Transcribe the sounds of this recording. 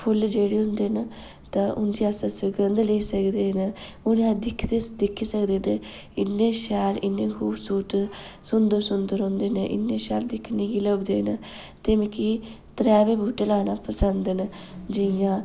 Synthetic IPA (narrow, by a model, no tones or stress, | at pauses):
pʰʊld͡ʒeːɽeːɦʊ̃nd̪eːn | t̪ãʔʊnd͡ʒ̪iːasəsəɡənd̪leisəkd̪eːn | ʊnãd̪ɪkʰd̪eːd̪ɪkʰiːsəkd̪eːne | ɪnːẽːʃɛːlɪnːẽːkʰuːbsuːʈsʊnd̪əɾsʊnd̪əɾɦõːnd̪eːneʔɪ̰nːeːʃɛːld̪ɪkʰnẽːɡiləbd̪eːn | t̪eːmẽːki | t̪əɾɛːʋeːbuːʈelaːnaːpəsənd̪ən | d͡ʒɪjãː